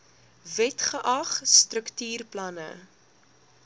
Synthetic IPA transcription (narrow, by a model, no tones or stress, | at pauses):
vɛtχəʔɐχstrəktyːrplɐnə̰